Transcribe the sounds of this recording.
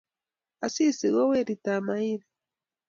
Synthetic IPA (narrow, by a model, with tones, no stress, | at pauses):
a˨si˦si˨ɣo˦we˦ɾitamaiɾe